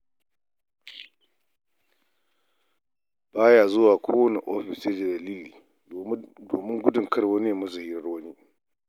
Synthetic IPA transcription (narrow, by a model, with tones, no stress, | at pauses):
b̥aː˦jaː˨zʊ˦waː˨kʷʰoː˦wɐ˦ni˨ʔoː˦ɸɪ˨seː˦d͡ʒe˨dɐ˨liː˦liː˨ | doː˨mɪ˦ŋɡʷʊ˦dʊ˨ŋkɐ˦rwɐ˦n˦e˨mɐ˦su˨hi˦ɾɐ˦rwɐ˦niː˦